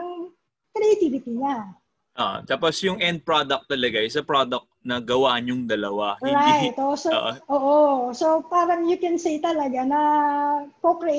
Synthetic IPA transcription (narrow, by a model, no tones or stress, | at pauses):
ɐŋ | kɾɛjɐt̪iːvɪt̪inɐ | ʔoʔt̪aːposjʊŋʔɛnd̪̚pɹod̪ɐk̚t̪ːɐlɐɡaʔɪsɐpɹod̪ɐk̚nɐɡɐwaːʔɲʊŋd̪ɐlɐwaɹajt̪ʔosooʔʔoːʔosopaːɾɐŋjʊkɛnsejt̪ɐlɐɡanɐ | kokɾɛ